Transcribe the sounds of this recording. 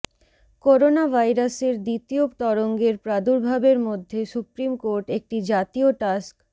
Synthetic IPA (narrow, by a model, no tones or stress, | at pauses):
koɾonabʱajɾaseɾd̪it̪iopt̪ɔɾoŋɡeɾpɾad̪uɾbʱabeɾmod̪ʱːesupɾimkoɾʈek̚ʈid͡ʑat̪ioʈask